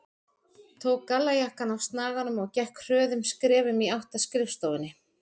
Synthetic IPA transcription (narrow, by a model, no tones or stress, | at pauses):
t̪ʰoːwkːalːajahkanawst̪naːɣanʏmɔɣcɛhkr̥œːðʏmskɾɛːvʏmiawht̪askɾɪfst̪owɪnːɪ